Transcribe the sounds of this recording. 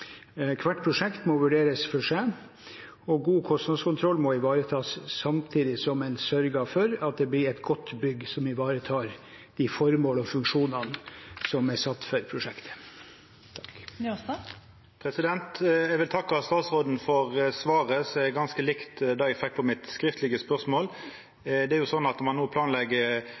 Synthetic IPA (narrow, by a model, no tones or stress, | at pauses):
kʰʋæʈːpʰɾʊʂɛkt̪mɔʋʉɖeːɾəsfɔʂe | ɔɡuːkʰɔsnɑskʰʊnt̪ʰɾɔlːmɔɪʋɑːɾət̪ʰɑːsːɑmt̪ʰiːd̪ɪsɔmɛɪnsœɾɡəɑʋfœɾɑt̪̚d̪ɛblɪɾɛt̪ɡɔt̪ːbʏɡːsɔmɪʋɑːɾət̪ʰɑːɾ | d̪̥ɪfɔɾmoːləɔfʉŋkʂuːnɑnəsɔmæsɑt̪ːfœɾpʰɾʊʂɛkt̪ʰə̥ | pʰɾɛsɪd̪ɛnt̪ɛɡʋɪlt̪ʰɑkːɑst̪ɑːt̪sʁod̪n̩fɔʁsʋɑːʁəsɔɛɡɑnskəlɪkt̪d̪ɑːɛɡfɛk̚ːpʰɔmɪt̪skɾɪft̪lɪɡəspœʁsmoːl | d̪ɛæɾjʊsɔnːɑt̪mɑnːuːpʰlɑːnlɛɡːə